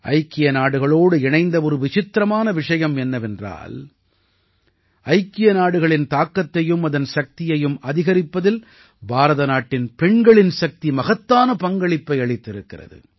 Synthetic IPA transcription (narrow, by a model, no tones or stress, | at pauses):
ʔɐ̰ɪkːɪjɐnaːɽɯɣɐɭoːɽɯɛɳɐɪnd̪ɐɔɾɯʋɪt͡ʃɪt̪ːɾɐmaːnɐʋɪʂɐjɐmɛnːɐʋɛndra̰ːl | ɐɪkːɪjɐnaːɽɯɣɐɭɪnt̪aːkːɐt̪ːɐjɯmɐðɐnsɐk̚t̪ɪjɐjɯmɐðɪɣɐɾɪpːɐðɪl | bʱaːɾɐðɐnaːʈːɪnpɛɳɡɐɭɪnsɐk̚t̪imɐɣɐt̪ːaːnɐpɐŋɡɐɭɪpːɐɪɐɭɪt̪ːɪɾɯkːɪrɐ̰ðɯ̰